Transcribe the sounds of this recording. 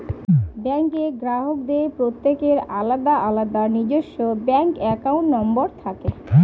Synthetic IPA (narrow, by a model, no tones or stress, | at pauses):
bɛŋkeɡɾaɦokd̪epɾot̪ːekeɾalad̪aʔalad̪anid͡ʑoʃːobɛŋkɛkawnʈnɔmboɾt̪ʰake